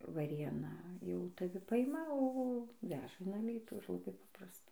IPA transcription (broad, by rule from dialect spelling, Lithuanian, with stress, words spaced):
ʋɐˈrʲeːnɐ jɛʊ tɐˈʋʲɪ ˈpɐɪmɐ oː ˈʋʲæːʒɐ ɪn ɐˈlʲiːtuː ɪr lˠɐˈbɐɪ ˈpɑːprɐstɐ